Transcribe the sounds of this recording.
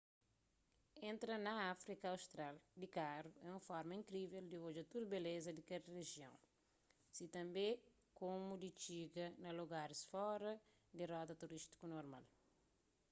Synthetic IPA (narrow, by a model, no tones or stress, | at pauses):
ẽnt̪ɾɐnɐafɾikɐːwst̪ɾald̪ikaɾuɛũfɔɾmɐĩŋkɾiveld̪iod͡ʒɐt̪uɾbelezɐd̪ikedɐreʒjõw̃ | sit̪ɐ̃mbe | komud̪it͡ʃiɡɐnɐloɡaɾisfɔɾɐ | d̪irɔt̪ɐt̪uɾiʃt̪i̥kunoɾma̰l